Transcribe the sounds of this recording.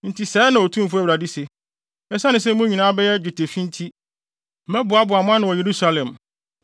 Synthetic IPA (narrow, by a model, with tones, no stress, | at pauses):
n̩˨tʰi˨sɛː˨˦nã˨ɔ˨tʰũ˦m˦fʊ˦æ˨ɾa˨di˦se˨ | ɛ˦sa˦nɪ̃˨s̬ɛ˦m̩˦mũ˦ɲĩ˨nãː˦bɛ˦jɛ˦d͡ʑᶣu˨tʰe˨fĩ˦n˦tʰi˦ | mɛ̃˦bʊ˨a˦bʊ˨a˨mʊ̃˦a˦nʊ̃˨wɔ˨je˨ɾu˦sa˦lɛ̃˨m